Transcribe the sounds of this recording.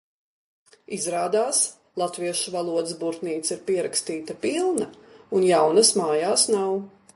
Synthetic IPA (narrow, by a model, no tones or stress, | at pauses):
izɾaːd̪aːs | lˠat̪viɛʃvalˠuɔd̪sbuɾt̪niːt̪siɾpiɛɾakst̪iːt̪ɐpilˠnɐunjawnɐsmaːjaːsnaw